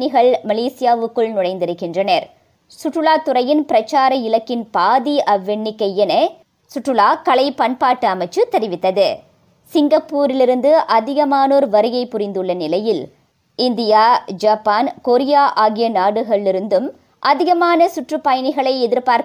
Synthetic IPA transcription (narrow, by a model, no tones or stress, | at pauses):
nɪɣɐɭmɐleːsɪjaːʋɯkːɯɭnʊɽɐɪnd̪ɪɾɯkːɪndrɐnɐɾ | sʊʈrɯɭaːt̪ːʊɾɐjɪnpɪɾɐt͡ʃːaːɾɐɪlɐkːɪnpaːðiʔɐʋɛɳːɪkːɐjɛnɐ | sʊʈrɯlaːkɐɭɐɪpɐɳpaːʈːɯɐmɐɪt͡ʃːɯt̪ɛɾɪʋɪt̪ːɐðɯ | sɪŋɡɐpːuːɾɪlɪɾɯnd̪ɯʔɐðɪɣɐmaːnoːɾʋɐɾɯɣɐɪpːʊɾɪnd̪ɯɭːɐnɪlɐjɪl | ɪnd̪ɪjaːd͡ʒaːpːaːnkɔɾɪjaːʔaːɣɪjɐnaːɽɯɣɐɭɪɾɯnd̪ɯm | ʔɐðɪɣɐmaːnɐsʊʈrɯpːɐjɐnɪɣɐɭɐɪɛðɪɾpaːɾ